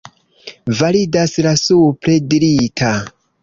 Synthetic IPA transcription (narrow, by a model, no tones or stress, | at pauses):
validaslasupɾediɾitʰa